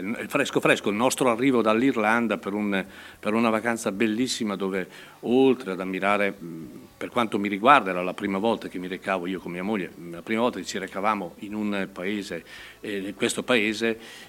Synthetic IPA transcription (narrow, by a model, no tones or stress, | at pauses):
ɛlfɾɛskofɾɛskoilnɔst̪ɾoarːiːvod̪alːirland̪apeɾun | peɾunavakant̪sabelːisːimad̪oːve | olt̪ɾead̪amːiɾaːɾe | perkwant̪omiɾiɡward̪aɛːɾalapɾiːmavɔlt̪ak̟emːiɾekaːvoiːokomːiːamoʎːḛlapɾiːmavɔlt̪aket͡ʃiɾekavaːmoinunpaeːze | kwest̪opaeːze